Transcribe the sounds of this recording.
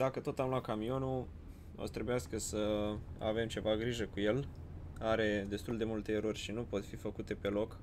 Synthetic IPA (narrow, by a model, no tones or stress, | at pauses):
d̪akət̪o̞t̪amlat̪kamio̞nu | o̰sət̪ɾe̞bujaskəsəa̰ve̞mt͡ʃe̞vaɡɾiʒəkuje̞l | aɾe̞d̪e̞st̪uld̪e̞mult̪e̞ːɾo̞rʲʃinupo̞t̪fifəkut̪e̞pe̞lo̞k